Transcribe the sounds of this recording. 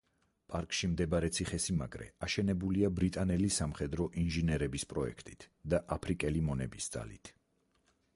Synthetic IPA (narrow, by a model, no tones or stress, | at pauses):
pʼaɾkʼʃimd̪ɛbaɾɛt̪sʰiχɛsima̰ɡɾɛ̰aʃɛnɛbuliabɾit̪ʼanɛlisamχɛd̪ɾɔʔinʒinɛɾɛbispʼɾɔɛ̰kʰt̪ʼi̥t̪ʰd̪aʔapʰɾikʼɛlimɔnɛbisd̪za̰lḭt̪ʰ